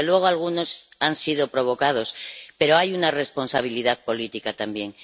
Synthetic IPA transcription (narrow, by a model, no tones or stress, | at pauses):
elwe̞ɣ̞oalɣ̞uno̞sansið̞o̞pɾo̞β̞o̞kað̞o̞spe̞ɾoajunare̞spo̞nsaβ̞iliðaðpo̞lit̪ikat̪ambje̞ŋ